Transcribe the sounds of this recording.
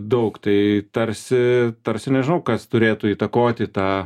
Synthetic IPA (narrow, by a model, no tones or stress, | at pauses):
d̪ɐʊkt̪ɐɪt̪ɐrʲsʲɪt̪ɐrʲsʲɪnʲɛʒʲɪnɐʊkɐst̪ʊɾʲeːt̪ʊiːt̪ɐkoːt̪ʲɪt̪ɑː